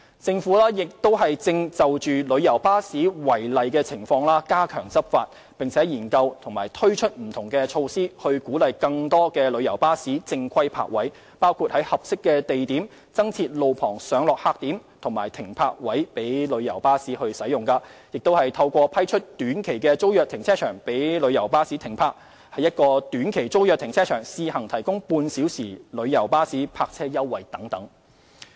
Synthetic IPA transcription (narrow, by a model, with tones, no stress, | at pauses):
t͡sɪ˧ŋfuː˨˥laː˥jɪ˨k̚t̪o˥wɦɐ˨jt͡sɪ˧ŋt͡sɐ˨wt͡ʃyː˨lɵ˨˧ɥjɐ˨˩wpaː˥siː˨˥wɐ˨˩jlɐ˨jkɛː˧t͡sʰɪ˨˩ŋfɔː˧ŋlaː˥kaː˥kʰœː˨˩ŋt͡sɐ˥p̚fa̰ː˧t̚ | pɪ˨ŋt͡sʰɛː˨˥jiː˨˩nkɐ˧wt̪ʰʊ˨˩ŋmaː˨˩jt̪ʰɵ˥ɥt͡ʃʰɵ˥t̚m̩˨˩t̪ʰʊ˨˩ŋkɛː˧t͡ʃʰo˧wsiː˥hɵ˧ɥkuː˨˥lɐ˨jkɐ˧ŋt̪ɔː˥kɛː˧lɵ˨˧ɥjɐ˨˩wpaː˥siː˨˥t͡sɪ˧ŋkʰɐ˥jpʰa̰ː˧k̚wɐ˨˥j | paː˥wkʰuː˨˧t̚hɐ˨˥jhɐ˨p̚sɪ˥kːɛː˧t̪e˨jt̪iː˨˥m | t͡sɐ˥ŋt͡sʰiː˧t̚lo˨wpʰɔː˨˩ŋsœː˨˥ŋlɔː˨k̚haː˧k̚t̪iː˨˥mt̪ʰʊ˨˩ŋmaː˨˩jt̪ʰɪ˨˩ŋpʰaː˧k̚wɐ˨˥jpe˨˥jlɵ˨˧ɥjɐ˨˩wpaː˥siː˨˥hɵ˧ɥsɐ˨˥jʊ˨˩ŋkaː˧jɪ˨k̚t̪o˥whɐ˨jt̪ʰɐ˧wkʷɔː˧pʰɐ˥jt͡ʃʰɵ˥t̚t̪yː˨˥nkʰe˨˩jkɛː˧t͡so˥wjœː˨k̚t̪ʰɪ˨˩ŋt͡sʰɛː˥t͡ʃʰœː˨˩ŋpe˨˥jlɵ˨˧ɥjɐ˨˩wpaː˥siː˨˥t̪ʰɪ˨˩ŋpʰaː˧k̚ | hɐ˨jːɐ˥t̚kɔː˧t̪yː˨˥nkʰe˨˩jt͡so˥wjœː˨k̚t̪ʰɪ˨˩ŋt͡sʰɛː˥t͡ʃʰœː˨˩ŋsiː˨˧hɐ˨˩ŋt̪ʰɐ˨˩jkʊ˥ŋpuː˧nsiː˨˥wsiː˨˩lɵ˨˧ɥjɐ˨˩wpaː˥siː˨˥pʰaː˧k̚t͡sʰɛː˥jɐ˥wːɐ˨˩jt̪ɐ˨˥ŋt̪ɐ˨˥ŋ